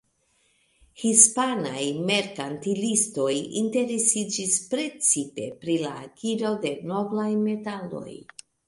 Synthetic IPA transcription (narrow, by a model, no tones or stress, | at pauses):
hispanajme̞ɾkantilisto̞jinte̞ɾesid͡ʒispɾe̞t͡sipe̞̰pɾilaːkiɾode̞no̞vlajme̞talo̞̰j